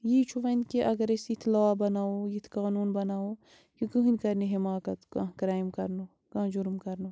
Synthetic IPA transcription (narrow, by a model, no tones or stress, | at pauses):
jit͡ʃʰuʋɐnkiʔɐɡɐɾisit̪ʰlɐʋaːbɐnaːojit̪ʰkaːnuːnbɐnaːo | kikɨɦɨnʲkɐɾniɦimaːkɐt̪kã̰kɾaːimkɐɾno | kɐ̃ːd͡ʒuɾmkɐɾnoː